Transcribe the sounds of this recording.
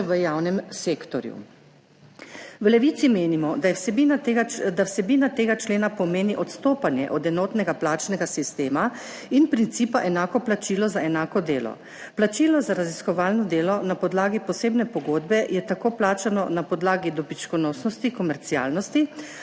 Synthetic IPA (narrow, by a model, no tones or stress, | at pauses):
ʋəjawnɛmseːkt̪ɔɾjṵ | wlɛʋiːt̪simeːnimɔsnd̪awsɛbiːnat̪eːɡat͡ʃleːnapɔmeːniʔɔt̪st̪oːpanjɛ̰ʔɔd̪ɛnɔːt̪nɛɡaplaːt͡ʃnɛɡasist̪eːma | inpɾint̪siːpaʔɛnaːkɔplat͡ʃiːlɔzaɛnaːkɔd̪eːlɔ̰ | plat͡ʃilɔzaɾaziskɔʋaːlnɔd̪eːlɔnapɔd̪laːɡipɔseːbnɛpɔɡod̪bɛjɛt̪akoːplaːt͡ʃanɔnapɔd̪laːɡid̪ɔbit͡ʃkɔnɔːsnɔst̪ikɔmɛɾt̪sia̰ːlnɔst̪i